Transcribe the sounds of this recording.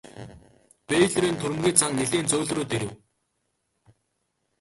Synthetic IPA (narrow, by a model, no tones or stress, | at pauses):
peɮɾiːnt̪ʰuɾɘ̆mɣʲiːt͡sʰaŋneɮeːnt͡sʊːɮruːt̪eɾɘ̆w